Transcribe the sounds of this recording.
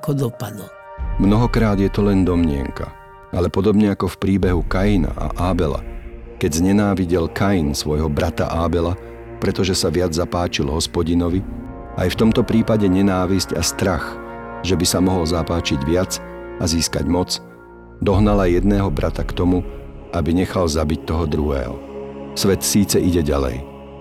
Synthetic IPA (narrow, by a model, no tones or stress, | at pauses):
kɔd̪ɔpad̪l̩ | mnɔɦɔkɾaːd̪jɛt̪ɔlɛnd̪ɔmɲɪɛ̰ŋka̰ | alɛpɔd̪ɔbɲɛakɔfpɾiːbɛɦukajina̰ʔa̰ʔaːbɛla̰kɛɟzɲɛnaːʋiɟɛlkajinsʋɔjɦɔbɾat̪a̰ʔaːbɛla | pɾɛt̪ɔʒɛsaʋɪad͡zzapaːt͡ʃilɦɔspɔɟinɔʋi | ʔa̰jft̪ɔmt̪ɔpɾiːpaɟɛɲɛnaːʋisca̰st̪ɾaxʒɛbisamɔɦɔlzapaːt͡ʃiɟʋɪat͡saziːskaɟmɔt͡s | d̪ɔɦnalajɛd̪nɛːɦɔbɾʔat̪akt̪ɔmuʔabiɲɛxalzabic̚t̪ɔɦɔd̪ɾuɦɛ̰ːɦɔ̰sʋɛt̪siːt͡sɛʔiɟɛɟalɛ̰j